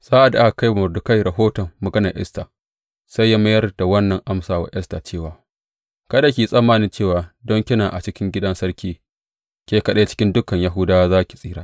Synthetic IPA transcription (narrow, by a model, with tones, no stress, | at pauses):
z̥aː˦ʔa˨da˦a˨ka˦jmʊ˨rdʊ˨ka˦jɾɐ˨ɦoː˦tɔ˨mːɐ˨ɡɐ˦nɐ˨ʔɛ̰˦staː˨ | sa˦jːa˦mɐ˦jɐ˦rda˨wɐ˦nːɐ˨ŋʔa˦msaː˨wa̰ː˨˦ʔɛ˦staː˨t͡ʃeː˦˨waː˨ | kɐ˦da˨kʲiː˨sʼɐ˦mːaː˦nɪ˦nt͡ʃeː˦˨waː˨dɔ˦ŋkʲɪ˦naː˨ʔa̰˨t͡ʃɪ˦kʲɪ˦ŋɡʲɪ˦dɐ˦nsɐ˦rkʲiː˦ | kʲeː˦kɐ˦˨ɗe˦t͡ʃɪ̥˦kʲɪ˦ndʊ˦kɐ˨ɲja˦ɦʊ˦daː˦wa˦zaː˦kʲi̥˨sʼiː˦ɽaː˦